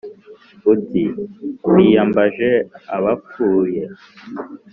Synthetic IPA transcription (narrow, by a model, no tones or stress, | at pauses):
utiwijambaʒeaβafuːje